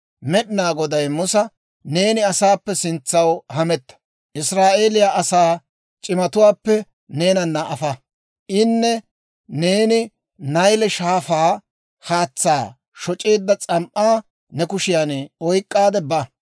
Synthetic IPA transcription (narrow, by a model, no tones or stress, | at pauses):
mɛɗɪnaːɡɔd̪ɐjmʊsɐ | ne̞ːnɪɐsaːpːɛsɪnt͡sːɐwhɐmɛt̪ːɐ̥ | ʔɪsɾaːʔeːlɪjaːʔɐsaː | t͡ʃʼɪmɐt̪ʊwaːpːɛ | ne̞ːnɐnːɐʔɐfɐ | ʔɪnːɛ | ne̞ːnɪ | nɐjlɛʃaːfaː | haːt͡sːaː | ʃɔt͡ʃʼeːd̪ːɐt͡sʼɐmʔaː | nɛkʊʃɪjaneɔjkʼːaːd̪ɛbɐ